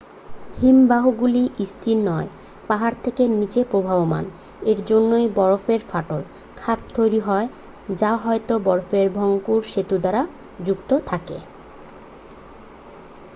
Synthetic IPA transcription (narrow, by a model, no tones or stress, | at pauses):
himbaɦoɡuliʔist̪ʰiɾnɔe | paɦaɾt̪ʰekenit͡ɕepɾobʱaboma̰n | eɾd͡ʑonːojbɔɾofeɾfaʈol | kʰat̪̚t̪ʰːojɾiɦɔe | d͡ʑaɦɔet̪obɔɾofeɾbʱɔŋkuɾʃet̪ud̪aɾa | d͡ʑukt̪ot̪ʰakḛ